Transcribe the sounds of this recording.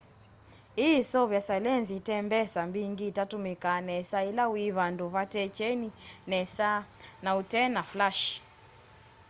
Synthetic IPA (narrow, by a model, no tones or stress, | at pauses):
isɔβjasalɛnzitɛmbɛsambiŋɡiːtatumikanɛsailawiβanduβatɛt͡ʃɛninɛsanautɛnaflaʃ